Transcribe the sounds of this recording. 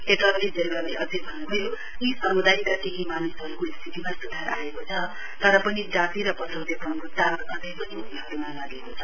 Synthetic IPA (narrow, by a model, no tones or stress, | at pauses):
et̪ʌɡed͡zʌlːaleʔʌd͡zʌjbʱʌnːubʱʌjo | isʌmud̪ajt̪akeɦimanisɦʌɾukoist̪ʰit̪imasud̪ʱaɾaekot͡sʰʌ | t̪ʌɾʌpʌnid͡zat̪iɾʌpʌt̪ʰʌwd̪epʌnkot̪alaʔʌd͡zʌjpʌniot̪iɦʌɾumalaɡekot͡sʰʌ